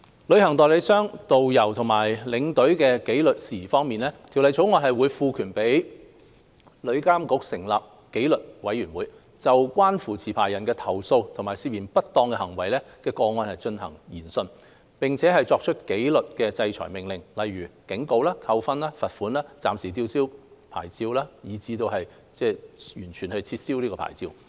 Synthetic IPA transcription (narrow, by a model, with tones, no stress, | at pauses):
lɵ˨˧ɥɦɐ˨˩ŋt̪ɔː˨jle˨˧˥sœː˥ŋt̪o˨wjɐ˨˩wt̪ʰʊ˨˩ŋmaː˨˩jlɪ˨˧˥ŋt̪ɵ˨˥ɥkɛː˧ke˨˥jlɵ˨t̚siː˨˩fɔː˥ŋmiː˨nlɛː˥t̪ʰi˨˩wlɐ˨jt͡sʰo˨˥wŋɔː˧nhɐ˨jwuː˨˧jfuː˨˧kʰyː˨˩npe˨˥j | lɵ˨˧ɥkaː˥mkʊ˨˥k̚sɪ˨˩ŋlaː˨p̚ | ke˨˥jlɵ˨t̚wɐ˨˥jɥyː˨˩nwuː˨˥j | t͡sɐ˨wkwaː˥nfuː˨˩t͡sʰiː˨˩pʰaː˨˩jːɐ˨˩nkɛː˧t̪ʰɐ˨˩wso˧wt̪ʰŋmaː˨˩jsiː˧˩p̚jiː˨˩npɐ˥t̚t̪ːɔː˧ŋkɛ˧hɐ˨˩ŋwɐ˨˩jlɛː˥kɛː˧kɔː˧ŋɔː˧nhɐ˨jt͡ʃɵ˧nhɐ˨˩ŋjiː˨˩nsɵ˧n | pɪ˨ŋt͡sʰɛː˨˥ɦɐ˨jt͡sɔː˧k̚t͡ʃʰɵ˥t̚ke˨˥jlɵ˨t̚kɛː˧t͡sɐ˧jt͡ʃʰɔ̰ː˨˩jmɪ˨˩ŋlɪ˨ŋlɐ˨jɥyː˨˩kɪ˨˥ŋko˧wlaː˥kʰɐ˧wfɐ˥nlaː˥fɐ˨t̚fuː˨˥nlaː˥t͡sa̰ː˨msiː˨˩t̪̬iː˧wsiː˥wpʰaː˨˩jt͡siː˧wlaː˥jiː˨˧t͡siː˨˧t̪o˧whɐ˨j | t͡sɛː˥˧jyː˨˩nt͡ʃʰyː˨˩nhɵ˧t͡sʰiː˧t̚si˥wliː˥kɔː˧pʰa̰ː˨˩jt͡siː˧w